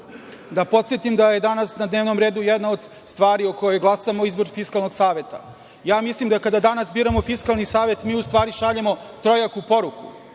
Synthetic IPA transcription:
d̪apo̞t̪sjet̪imd̪aje̞d̪anasnad̪ne̞ːʋnomɾe̞ːd̪ujed̪nao̞d̪ | st̪ʋaːɾiokojojɡlˠasamoizbo̞ɾfiskalˠno̞ɡsaːʋe̞t̪a̰ | jaːmislimd̪akad̪ad̪anasbiːɾamofiskalˠnisaːʋe̞t̪miːust̪ʋaːɾiʃaʎemo̞t̪ɾo̞jakupo̞ɾukṵ

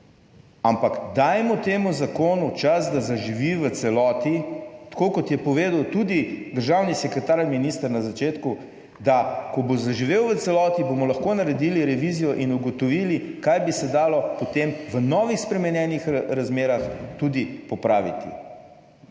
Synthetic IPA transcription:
ampakd̪aːjmɔt̪eːmuzakoːnut͡ʃazd̪azaʒiʋiʋət̪sɛlɔːt̪it̪ḁkoːkɔt̪jɛpɔʋeːd̪əwt̪ud̪id̪əɾʒawnisɛkɾɛt̪aɾminist̪əɾnazat͡ʃeːt̪ku | d̪akɔbozaʒiʋeːwʋət̪sɛlɔːt̪ibomɔlɐxkonaɾɛd̪iliɾɛʋizijɔʔinuɡɔt̪ɔʋilikajbisɛd̪aːlɔpɔt̪emʋənɔːʋixspɾɛmɛnjɛːnixɾazmeːɾaxt̪ud̪ipɔpɾaːʋḭt̪ḭ

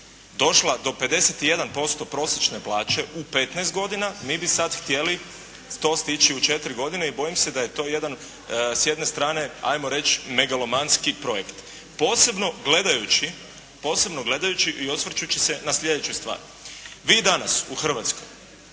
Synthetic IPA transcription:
d̪o̞ʃlˠad̪o̞pe̞d̪e̞set̪ije̞d̪anpo̞st̪o̞pɾo̞sjet͡ʃne̞plˠaːt͡ʃe̞ʔupe̞t̪nɛːst̪ɡo̞d̪inamiːbisad̪xt̪je̞li | t̪o̞ːst̪it͡ʃiut͡ʃe̞t̪ɾiɡo̞d̪ine̞ibo̞jimse̞d̪aje̞t̪o̞ːje̞d̪an | sje̞d̪ne̞st̪ɾaːne̞a̰jmo̞ɾe̞t͡ʃme̞ɡalomanskipɾo̞jekt̪ | po̞ːse̞bno̞ɡle̞d̪ajut͡ʃi | po̞ːse̞bno̞ɡle̞d̪ajut͡ɕiʔiosʋr̩t͡ʃut͡ɕise̞naslʎʲe̞d̪et͡ʃust̪ʋa̰ːɾ | ʋiːd̪anasuxr̩ʋat̪sko̰j

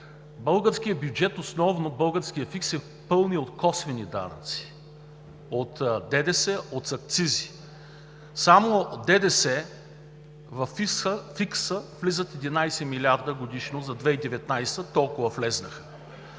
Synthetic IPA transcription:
bɤlˠɡəɾsk̟ijəbjud͡ʒɛt̪osnɔvnobɤlˠɡəɾskijəfiksɛ | pɤlˠniot̪kɔsvɛnid̪a̰nə̰t̪si̥ | ot̪d̪ɛd̪ɛsɛot̪sɐk̚t̪sizi | samod̪ɛd̪ɛsɛ | vɐfiəfiksəvlizət̪ɛd̪inajsɛmilʲaɾd̪əɡod̪iʃnozɐd̪vɛid̪ɛvɛt̪najst̪ət̪ɔlˠkʊvɐflɛznəxə̥

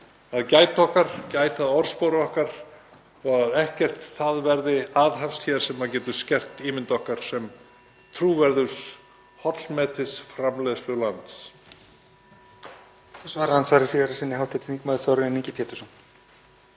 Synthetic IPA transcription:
aðcaːjt̪ɔhkaɾ̥caːjt̪aðɔɾ̥spoːɾɔhkaɾ̥ | ɔɣaðɛhcɛr̥t̪θaðvɛɾðɪaðɦafst̪ʰjɛːaɾ̥sɛmaðc̬ɛːt̪ʏ̥scɛr̥t̪iːmɪnt̪ɔhkaɾ̥sɛm | t̪ʰɾuːvɛɾðʏ̥s | hɔt̪l̥mɛt̪ɪsfɾamlɛðslʏlant̪s | θɔsvaːɾahansvaːɾɪsiːðaɾasɪnːɪhawht̪ʰːɪt̪niːkmaðɪθawɾɪɪniːcɪpʰjɛːt̪ʏ̥sɔn

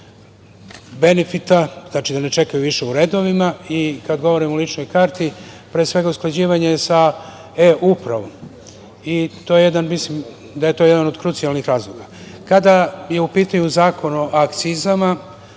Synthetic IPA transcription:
be̞nefit̪aznaːt͡ʃid̪ane̞t͡ʃe̞kajuʋiʃe̞uɾe̞ːd̪o̞ʋimaikad̪ɡo̞ʋo̞ɾimolˠit͡ʃno̞jkaːɾt̪ʰi | pɾesʋe̞ɡausklad͡ʑiːʋaɲesa | eʔupɾa̰ʋom | it̪o̞ːje̞jed̪anmislim | d̪aje̞t̪o̞ːje̞d̪ano̞d̪kɾut̪sialˠnixɾaːzlˠoɡakad̪aje̞upiːt̪aɲuzaːko̞noʔakt̪sizama

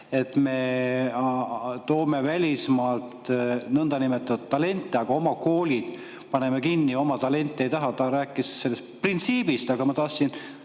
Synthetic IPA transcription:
e̞t̪me̞ | t̪o̞ːme̞vælʲismɑːlt̪nɤnd̪̥ɑnimet̪ːˑɑd̪t̪ːɑle̞nt̪ːˑeɑɡ̥ɑo̞mɑko̞ːlʲid̪̥ | pɑne̞mekinːio̞mɑt̪ɑle̞nʲt̪ˑːee̞jt̪ɑɦɑt̪ɑɾæːkːˑisse̞lːest̪print̪siːb̥ist̪ɑɡ̥ɑmɑt̪ɑːsːin

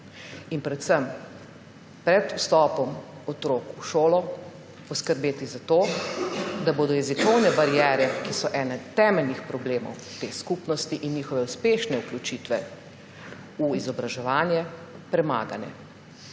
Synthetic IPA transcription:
inpɾɛt̪səm | pɾɛd̪ust̪ɔːpɔm | ɔt̪ɾoːkuʃoːlɔ | pɔskəɾbeːt̪izat̪oː | d̪aboːd̪ɔjɛzikɔwnɛbaɾijɛːɾɛkisɔʔɛːnɛt̪ɛːmɛlnixpɾɔbleːmɔ̰wt̪eːskupnɔst̪iʔinːiːxɔʋɛuspeːʃnɛuklʲut͡ʃit̪ʋɛ | uizɔbɾaʒɛʋaːnjɛ | pɾɛma̰ːɡa̰nɛ̰

